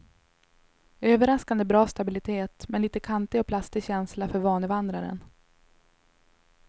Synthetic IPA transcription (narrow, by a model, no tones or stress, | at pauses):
øːvəɾaskand̪əbɾɑːst̪abɪlɪt̪ʰeːt̪mɛnliːt̪əkʰant̪ɪɡɔpʰlast̪ɪɕɛnslafœɾvɑːnəvand̪ɾaɾə̰n